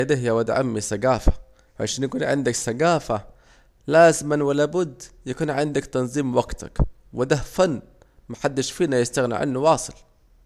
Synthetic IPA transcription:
d̪aɦjːawad̪ʕa̰mːisaɡaːfḁ | ʕa̰ʃaːnjakuːnʕɪ̰nd̪aksaɡaːfa | laːzɪmanwɪlabʊd̪ːjakuːnʕɪnd̪akt̪ɑnzˤiːmwaɡt̪a̰k | wɪd̪ahfanː | maħad̪ːɪʃfiːnajɪst̪aɣnɪ̰ʕa̰nːuwɑːsˤɨl

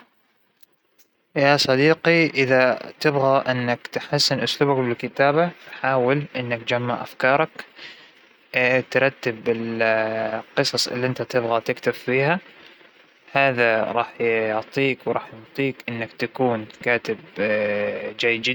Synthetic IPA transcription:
jasˤɑd̪iːqiʔɪðat̪ɪbɣaʔɪnːakt̪ħasːɪnʔʊsluːbakbɪlkɪt̪aːbafħaːwɪlʔɪnːakd͡ʒamːaʕʔa̰fkɑːɾˤɑk | t̪ɾˤɑt̪ːɪbɪl | qɨsˤɑsˤɪ̰lːiʔɪnt̪at̪ɪbɣat̪ɪkt̪afːiːha | haːðaɾˤɑːħjʊʕt̪ˤiːkwɾˤɑːħjʊʕt̪ˤiːkʔɪnːakt̪akuːnkaːt̪ɪb | d͡ʒajːd͡ʒɪ

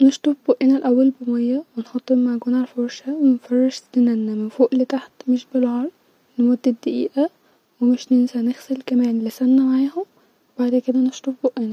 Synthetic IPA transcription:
neʃt̪ˤofboʔenælʔæwːælbemɑjːæwenħɑt̪ˤːemaʕɡuːnʕalfoɾʃæwenfɑrˤːɑʃt̪enænːæmenfoːʔlet̪aħt̪meʃbelʕɑɾˤ | nmod̪ːed̪ːæʔḭːʔæ | wemeʃnensænexselkæmæːnlesænːæmaʕaːhom | ebaʕd̪ked̪æneʃt̪ˤofboʔʔenæ

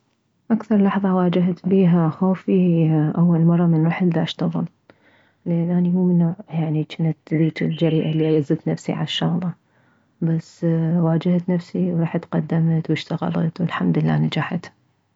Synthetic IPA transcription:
ʔakθɑɾˤlɑħðˤɑwaːd͡ʒaɦt̪biːɦaxoːfiʔawːalmɑrˤːɑmɪnwaħlːaʔaʃt̪ɑɣɨl | lʔanːʔanimuːmɪnːoːʕjaʕnit͡ʃɪnat̪d̪iːt̪ɪld͡ʒaɾiːʔalːiʔajazɪt̪nafsḭʕa̰ʃɑɣlːɑ | basːwaːd͡ʒaht̪nafsiwɾˤɑːħat̪qɑd̪ːamt̪wɪʃt̪aɣa̰lɑ̰t̪wɪlħamd̪ɪlːa̰ːnad͡ʒaħat̪

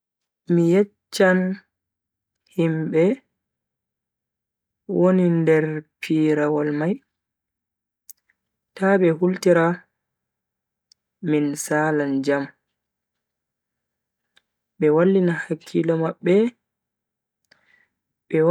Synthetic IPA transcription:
mijɛt͡ʃːan | himbɛ | wonindɛɾpʰiːɾawalmaj | taɓɛhultiɾa | minsaland͡ʒam | ɓɛwalːinahakʰːilɔmaɓːɛ | ɓɛw

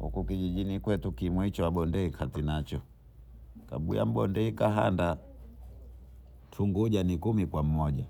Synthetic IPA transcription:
hṵkukiʄiʄinikwɛtukimwɛit͡ʃɔaɓɔndɛikʰatinat͡ʃɔ | ka̰ɓṵja̰m̩ɓɔndɛhikaɦa̰nda | tʰuŋɡuɟanikumikwam̩ːɔɟa

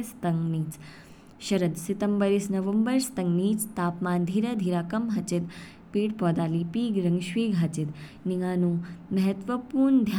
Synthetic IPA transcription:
st̪ɐŋɡniːt͡s | ʃɐɾɐd̪sit̪ɐmbəɾisnɐʋəmbəɾst̪ɐŋɡniːt͡st̪aːpmaːnd̪ʱiːɾɐd̪ʱiːɾaːkɐmɦɐt͡ʃit̪̚ | piːʈpɔːd̪aːliːpiːɡɾɐŋɡʃʋiːɡɦɐt͡ʃit̪ | niŋaːnuːmɐɦɐt̪ʋəpuːɾnd̪ʱja

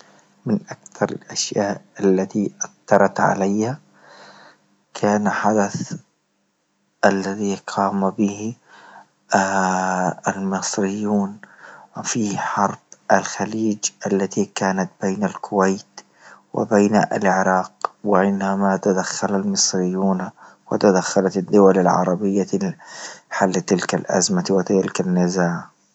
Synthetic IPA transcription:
mɪnʔakθɑɾˤɪ̰lʔaʃjaːʔalːat̪iʔaθt̪ɑɾˤɑt̪ʕa̰lajha | kʰaːnħad̪aθ | ʔalːaðiqʰɑːmabɪh | almɪsˤɾɪjːuːnwɪfiːhħɑɾˤb̥ʔalxaliːd͡ʒʔalːat̪ikaːnat̪̚b̥eːnalkʰʊwajt̪ | wɪ̰bajnaʔa̰lʕɪɾɑːqwɪʕɪnamat̪ad̪axːalalmɨsˤɾɪjːuːnwɪt̪ad̪axːalat̪ad̪ːʊwalalʕɑ̰ɾˤɑbɪjːa | ħalːt̪ɪlkalʔa̰zmawɪt̪ɪɪlkanːɪzaːʕ

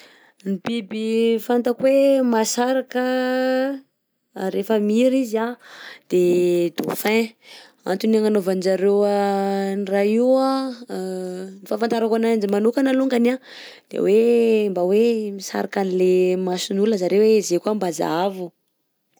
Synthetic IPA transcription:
nibibifant̪akwemasaɾakə | ɾefəmiɾiziad̪̥ed̪o̰fɛ̃ | a̰nt̪unaŋanovand͡ʒaɾewaniraiwa | nifafant̪aɾakanaand͡ʒimanukanaluŋɡana | d̪̥ḛwembawemisa̰ɾakanilemasinuləzaɾewezekuambazavu

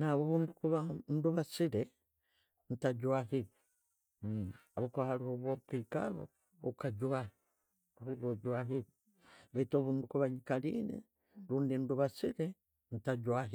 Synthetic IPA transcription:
naβuβuːndukuβanduβasiɾe | n̩taɟwaɦi | aβukahaluoβopika̰βo̰ | ukaɟwahi | βuβoɟwaɦi | βeitoβundukuβaɲikalḭnḭ | luːndinduβasiɾe | n̩taɟwaɦi

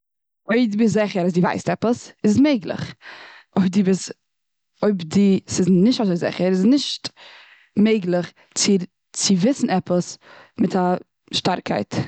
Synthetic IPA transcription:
oɪdiːbɪszɪχəɾazdiva̰ɪstɛpəsɪssmeɪɡlˠə̰χ | oɪdibɪs | oɪbdisɪsnɪʃtazoɪzɪ̰χəɾɪsnɪʃt | meɪɡlˠəχ | t͡sɪ | t͡sɪvɪsn̩ɛpəs | mɪtʰa | ʃtaɾkʰa̰ɪt

